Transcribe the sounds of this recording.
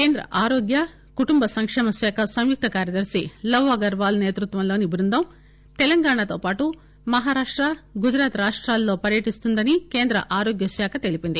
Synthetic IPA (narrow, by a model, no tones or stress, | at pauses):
keːnd̪ɾɐ̰ʔaːɾoːɡjɐ | kuʈumbɐsɐŋkʂɛːmɐʃɛːkʰɐsɐmjuk̚t̪ɐkaːɾjɐd̪ɐɾsilɐwːɐɡɐɾʋaːlɐne̞ːt̪ɾut̪ʋɐmloːnibɾund̪ʱɐm | t̪ɛlɐŋɡaːɳat̪o̞ːpaːʈu | mɐɦaːɾaːʂʈɾɐɡud͡ʒɾaːt̪ɾaːʂʈɾaːlːo̞ːpɐɾjɐʈist̪und̪ɐnike̞ːnd̪ɾɐ̰ʔaːɾoːɡjɐsɛːkʰɐt̪e̞lipind̪i